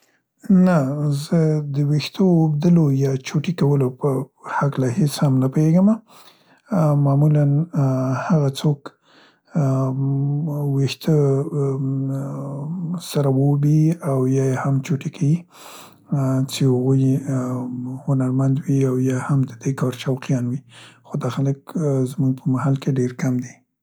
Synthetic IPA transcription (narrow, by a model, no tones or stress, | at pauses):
nazəd̪əwext̪ʰəbd̪əlojɑt͡ʃoʈikawəlopəhaklaheshamnapoeɡəma | mɑmulanhaɣat͡sok | wext̪ʰə | saɾawobiawjɑjehamt͡ʃoʈekʰawi | t͡ʃehaɣuj | hʊnaɾmand̪wiawjɑhamd̪əd̪ekɑɾʃawqijɑnwixod̪axaləkzmuɡ̚pʰəmahalkeɖeɾkamd̪i